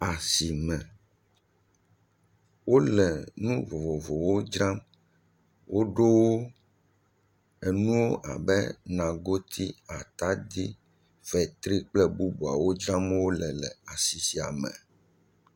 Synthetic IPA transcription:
a˨si˨mɛ̃˨ | wo˦lɛ˨nũ˦vo˨vo˨vo˨wo˦d͡ʒɾa˦m | wo˦ɖo˦wo˦ | ɛ˨nũ˦wo˦ʔa˨bɛ̰˦nã˨ɡo˦t̪ʰi˦a˨t̪a˦d̪i˦ | vɛ˨t̪ɾi˦k͡plɛ˦bu˦bu˨a̰˨wo˦d͡ʒɾã˦m˦wo˦lɛ˨lɛ˨a˨si˨si˨a̰˨mɛ̰̃˨

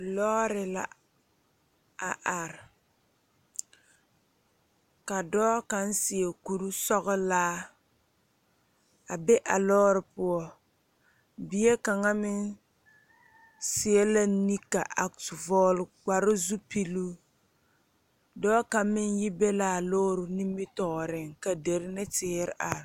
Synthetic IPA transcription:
lɔː˦ɾɪ˨la̰˨ | a̰˨ʔa˨ɾɪ˨ | ka˨dɔː˦ka˨n˦sɪ˨e˨ku˨ɾu˦sɔ˦ɣɪ˦laː˦ | a˨be˦ʔa˨lɔː˦ɾɪ˨pʊ˦ɔ˦ | bi˨jɛ˦ka˨ŋa˦mɪ˦n | sɪ˨ɛ˦la˦ni˦ka˨ʔa˨ktvɔː˦lɡ͡ba˨ɾɪ˦zu˦pi˦luː˦ | dɔː˦ka˨˦m˦mɪ˦n˦jɪ˦be˦laː˨a˨lɔː˦ɾʊ˨ni˦mɪ˦tɔː˨ɾɪ˨ŋka˨de˨ɾɪ˦nɪ˦tɪː˦ɾɪ̰˨ʔa˨

